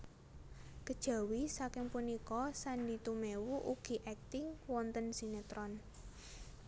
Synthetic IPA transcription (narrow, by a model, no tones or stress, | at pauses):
kəd̥ʒ̥a̤wisakɪŋpunikɔsandit̪umewuʔuɡ̥i̤ʔɛk̚t̪ɪŋwɔnt̪ənsinet̪ɾɔn